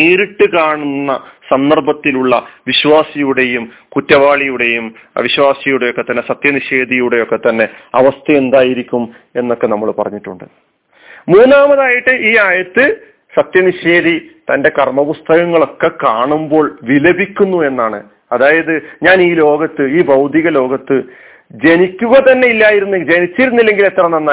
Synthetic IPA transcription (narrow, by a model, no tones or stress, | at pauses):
niːɾiʈːɨkaːɳunːɐsɐnd̪ɐrbɐt̪ːiluɭːɐʋiɕʋaːsijuɽe̞jum | kutːɐʋaːɭijuɽe̞jum | ɐ̰ʋiɕwaːsijuɽe̞jo̞kːe̞t̪ːɐnːe̞sɐt̪jɐniɕe̞ːd̪ijuɽe̞jo̞kːe̞t̪ːɐnːe̞ɐʋɐst̪ʰɐend̪aːjiɾikʲːum | e̞nːo̞kːe̞nɐmːɐɭpɐrɐɲːiʈːuɳɖɨ | muːnːaːmɐðaːjiʈːɨʔiːaːjɐt̪ːɨ | sɐt̪jɐniɕe̞ːd̪it̪ɐnde̞kɐrmɐpust̪ʰɐɣɐŋːɐɭo̞kːe̞kaːɳumbo̞ːɭʋilɐbʱikʲːunːue̞nːaːɳɨ̰ | ɐðaːjɐðɨɲaːniːlo̞ːɡɐt̪ːɨiːbɐwd̪ʱiɣɐlo̞ːɡɐt̪ːɨ | d͡ʑe̞nikʲːuɣɐt̪ɐnːe̞ilːaːjiɾunːud͡ʑenit͡ɕːiɾunːilːe̞ŋɡile̞t̪rɐnɐnːa